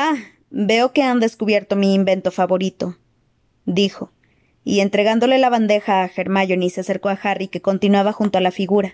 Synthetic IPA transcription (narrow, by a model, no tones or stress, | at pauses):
a | beokeand̪eskuβjeɾt̪omiːmbent̪ofaβoɾit̪o | d̪ixo | ḭe̞nt̪ɾeɣand̪o̞lelaβand̪exaːxeɾmaʝonisease̞ɾkoaxarikekont̪inwaβaxunt̪oalafiɣuɾa